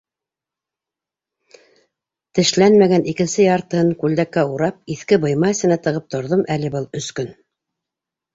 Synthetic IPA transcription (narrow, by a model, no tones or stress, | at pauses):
t̪ɘ̆ʃlænmæɡænʔikɘ̆nsɘjɑɾt̪ɤɤŋkʉld̪ækːæuɾɑp̚iθkɘbɤ̆jmɑɘ̆sɘ̆næt̪ɤ̆ʁɤp̚t̪ŏɾðomʔælɘ̆bɤlˠɵ̆skɵn